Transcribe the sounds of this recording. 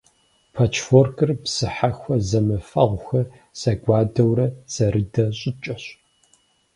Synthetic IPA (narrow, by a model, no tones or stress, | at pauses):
pʰɐt͡ʃʰforkʰɨrpsɨħaxʷɐzɐmɨfɐʁʷxɐ | sɐɡʷɑːdɐwɾɐz̥ɐɾɨdɐɕʼɪt͡ʃʼɐɕ